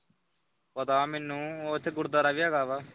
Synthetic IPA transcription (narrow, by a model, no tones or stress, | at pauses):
pət̪aːmenːũːoːt̪ʰːeːɡʊɽd̪aːɾaːʋijaːɡaːʋaː